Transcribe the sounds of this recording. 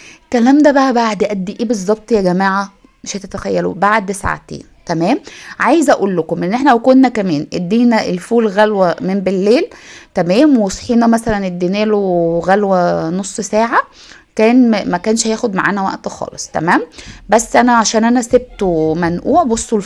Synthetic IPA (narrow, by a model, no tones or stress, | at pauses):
kælæːmd̪æbæʔæbaʕd̪ʔæd̪ːiʔiːbezˤːɑb̚t̪ˤjæɡæmæːʕa | meʃæt̪æt̪æxæjːælubaʕd̪esʕa̰t̪ḛːnt̪æmæːmʕajezʔæʔuːlːokomʔenːeħnæwkonːækæmæːnʔæd̪ːiːnæʔelfuːlɣælwæmembelːeːlt̪æmæːmwesħiːnæmæsælæned̪ːinæːloɣælwænosˤːsæːʕa | kæːnmækæːnʃhæjæːxod̪maʕa̰ːnæwæ̰ʔt̪xɑ̰ːlesˤt̪æ̰mæːmbæsːʔænæʕaʃæːnʔænæseb̚t̪omænʔuːʕbosˤːo